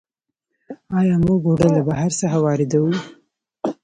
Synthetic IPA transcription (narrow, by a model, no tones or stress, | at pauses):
ɑjɑmuɡoɖəlabaɦaɾsaxawɑɾɪd̪awu